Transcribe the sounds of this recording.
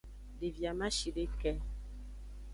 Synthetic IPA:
de˨vja˨mã˦ʃi˨ɖe˦kɛ˦

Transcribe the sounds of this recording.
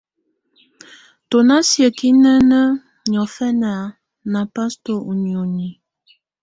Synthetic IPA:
to˨na˦sjə˨ki˦nə˦nə˦ | ɲɔ˨fɛ˦na˨ | na˨pa˦sto˦ʔu˨njo˨ni˨

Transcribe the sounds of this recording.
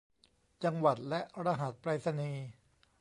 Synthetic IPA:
t͡ɕa˧ŋwa˨˩t̪̚lɛ˦˥ʔɾaː˧ɦa˨˩˦t̪̚pɾaː˧sa˧niː˧

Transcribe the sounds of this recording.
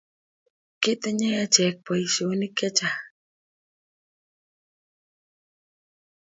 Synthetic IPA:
kɪ˦t̪ɛ˦ɲɛ˦ja˦t͡ʃɛ˨k̚pa˨i˨so˨nɪ˦kɛ˦t͡ʃa˨

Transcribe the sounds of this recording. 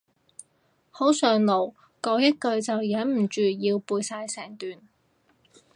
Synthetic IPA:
ho˨˥wsœː˨˧ŋlo˨˩w | kɔː˨˧wjɐ˥t̚kɵ˧ɥt͡sɐ˨wjɐ˨˥nm̩˨˩t͡ʃyː˨˩jiː˧wpuː˧jsaː˧jsɛː˨˩ŋt̪yː˨n

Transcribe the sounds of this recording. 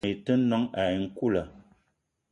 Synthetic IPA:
i˨tə˦nɔ˦ŋa˨i˨ŋ̩˦ku˦˨lə˨

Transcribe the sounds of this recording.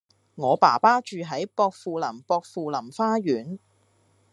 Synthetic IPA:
ŋɔː˨˧paː˨˩paː˥t͡ʃyː˨ɦɐ˨˥jpɔː˧k̚fuː˨lɐ˨˩mpɔː˧k̚fuː˨˧lɐ˨˩mfaː˥ɥyː˨˥n

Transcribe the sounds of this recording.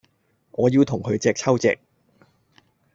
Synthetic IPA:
ŋɔː˨˧jiː˧wt̪ʰʊ˨˩ŋkʰɵ˨˧ɥt͡sɛː˧k̚t͡sʰɐ˥wt͡sɛ̰ː˧k̚

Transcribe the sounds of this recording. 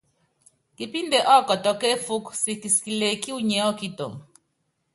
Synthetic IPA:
ki˦pi˦nde˨ʔɔ˦kɔ˨tɔ˨ke˦fu˦ksi˨ki˨ski˨le˨ki˦u˦ɲɛ˨˦ɔ˦ki˦to˨m

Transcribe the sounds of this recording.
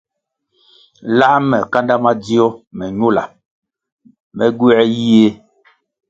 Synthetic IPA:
la˦mɛ˨ka˦nda˦ma˦d͡zi˦ɔ˦mɛ˨ɲo˦la̰˨ | mɛ˨ɡwɛ˦ji˦e˦

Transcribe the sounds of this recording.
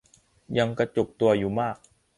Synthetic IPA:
ja˧ŋkɾa˧t͡ɕo˨˩k̚t̪u˧ɐjuː˨˩maː˥˩k̚

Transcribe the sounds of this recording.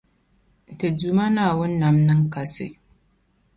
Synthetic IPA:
te˨d͡ʒu˨ma˦naː˨wɐ˦nːa˨mnɨ˦ŋka˨sḛ˦

